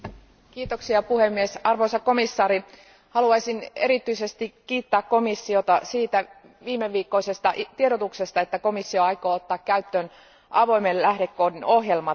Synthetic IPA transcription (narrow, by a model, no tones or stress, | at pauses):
kiːt̪o̞ksiɑpuhemːiesɑrʋoisɑkko̞misːɑːɾi | hɑluɑjsinḛɾit̪yise̞st̪ikkiːt̪ːæːkko̞misːio̞t̪ɑsiːt̪æ | ʋiːmeʋːiːkːo̞isest̪ɑʔt̪ieɾot̪ukse̞st̪ɑe̞t̪ːæko̞misːio̞ɑjko̞ːot̪ːɑːkkæyt̪ːøːn | ʔɑʋo̞jmellæhdekːoːdino̞hjelmɑ